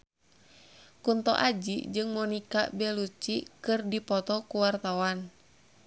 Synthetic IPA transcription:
kunt̪ɔ̰ʔad͡ʒḭd͡ʒɨŋmɔnika̰bɛlut͡ʃikɨrdipɔt̪ɔkuwart̪awan

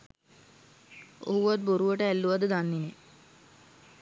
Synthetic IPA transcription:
o̰ɦuʋat̪̚boɾuʋəʈəælːuʋad̪əd̪anːine

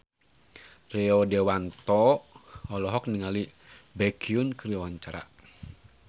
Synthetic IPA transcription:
rɛɔdɛwant̪ɔː | lɔɦɔk̚niŋali | bɛkʰiunkəriawaɲt͡ʃaɾa̰

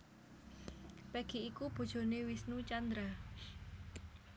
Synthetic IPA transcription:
pɛɡ̥iikub̥o̤d̥ʒ̥o̤newisnut͡ʃand̪ɾa

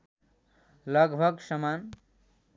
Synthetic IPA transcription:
lʌɡbʱʌɡsʌman

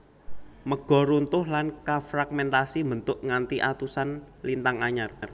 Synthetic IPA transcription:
məɡ̥ɔ̤ɾunt̪ʊhlankafɾaɡ̚mɛnt̪asimbənt̪ʊʔŋant̪iʔat̪usan | lint̪aŋaɲar

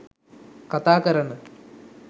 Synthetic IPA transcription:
kɐt̪aːkɐɾɐɳɨ

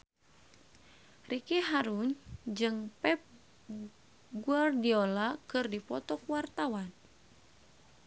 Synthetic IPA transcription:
rikiɦaɾuɲd͡ʒɨŋpɛp̚ | ɡuardiolakɨrdipɔt̪ɔkuwart̪awan

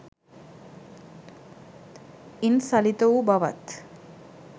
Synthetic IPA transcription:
insɐlit̪ɐubɐʋɐ̰t̪

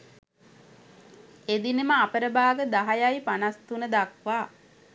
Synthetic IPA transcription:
ed̪inəməapəɾəbaːɡəd̪aɦajajpanast̪unəd̪akʋaː

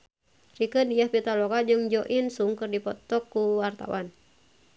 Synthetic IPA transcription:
rikəndijahpit̪alɔkad͡ʒɨŋd͡ʒɔʔinsuŋkɨrdipɔt̪ɔkːuwart̪a̰wʔan

